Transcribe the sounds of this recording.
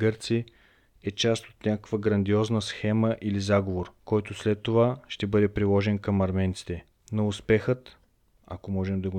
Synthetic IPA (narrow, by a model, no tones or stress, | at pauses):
ɡɤɾt̪si | ɛt͡ʃast̪ot̪nʲakəkvəɡɾɐnd̪iɔznəsxɛməʔilizaɡovoɾkɔjt̪oslɛt̪ːovaʃt̪ɛbɤd̪ɛpɾilˠɔʒɛnkɐmɐɾmɛnt̪si̥t̪ɛ | nɐʊspɛxət̪ | ɐ̰komɔʒɛmd̪ɐɡo